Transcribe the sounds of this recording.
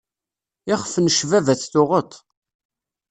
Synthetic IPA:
ɪχfənəʃvævæθθʊʁət̪ˤ

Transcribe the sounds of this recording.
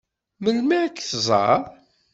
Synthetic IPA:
məlmaʕkːθzˤɑ̰ɾˤ

